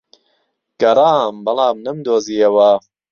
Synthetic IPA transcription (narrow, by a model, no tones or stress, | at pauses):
ɡ̥ɐɾaːmbɐlˠaːmnɐmd̪oːziːɐwɐ